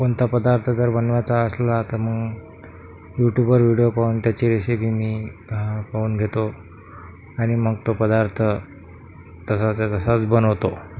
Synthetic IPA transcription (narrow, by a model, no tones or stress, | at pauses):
koɳt̪ʰapəd̪aɾt̪ʰəd͡zəɾbənʋjat͡saəslat̪aɾməɡ | juʈjubəɾʋiɽijopauːnt̪jat͡ɕeɾisebiːmiːpauːnɡʱet̪o | aɽ̃iməɡt̪opəd̪aɾt̪ʰə | t̪əsat͡sat̪əsat͡sbənəʋt̪o